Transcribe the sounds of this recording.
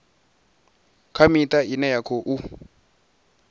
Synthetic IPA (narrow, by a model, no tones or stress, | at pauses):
kʰamit̪ʼainɛjakʰɔʔu